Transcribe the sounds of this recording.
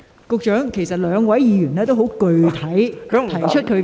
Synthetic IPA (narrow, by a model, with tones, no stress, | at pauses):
kʊ˧k̚t͡ʃœː˨˥ŋkʰe˨˩jsɐ˨t̚lœː˨˧ŋwɐ˨˥jjiː˨˧jyː˨˩nɛː˥t̪o˥who˨˥wkɵ˨ɥt̪ʰɐ˨˥jt̪ʰɐ˨˩jt͡ʃʰɵ˥t̚kʰɵ˨˧